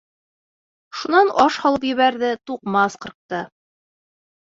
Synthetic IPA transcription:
ʃunɑnɑʃhɑlˠɤpjɘ̆βæɾðɘt̪uqmɑsqɤ̆ɾq̚t̪ɤ

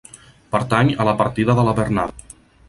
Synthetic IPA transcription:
pəɾt̪aɲələpəɾt̪iðəðələβərnað

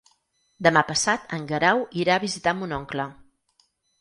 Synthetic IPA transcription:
d̪əmapəsat̪əŋɡəɾawiɾaəβizit̪amunɔŋklə

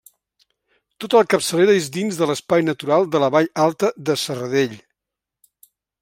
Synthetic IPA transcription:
t̪ot̪əlˠkəpsəleɾəezd̪inzðələspajnət̪uɾalˠd̪ələβaʎalˠt̪əðəsərəðeʎ

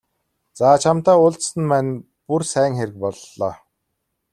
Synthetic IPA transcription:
t͡saːt͡ɕʰamt̪aːʊɮt̪sə̆npæːn | pursæːŋxeɾɘ̆k̚pɔɮːɔː

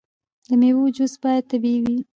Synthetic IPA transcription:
d̪əmewud͡ʒusbɑjad̪̚t̪ːabiwi

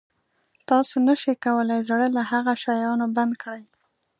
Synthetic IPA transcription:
t̪ɑsonaʃikawəlajzaɽəlahaɣaʃajɑnoband̪kɽaj

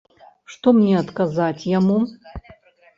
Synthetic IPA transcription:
ʂt̪omnʲeat̪kazatʲʰjamu

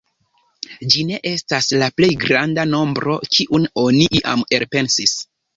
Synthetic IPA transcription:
d͡ʒine̞ʔe̞staslaple̞jɡɾandano̞mbɾo̞kiʔuno̞niʔiʔa̰me̞ɾpe̞nsis

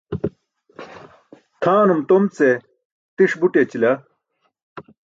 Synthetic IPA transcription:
t̪ʰaːnumt̪omt͡se | t̪iʂbuʈet͡ɕilɐ

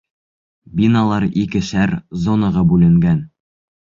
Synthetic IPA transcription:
bʲinalˠɑɾikɘʃæɾzonɑʁɤbʉlɘ̆ŋɡæn

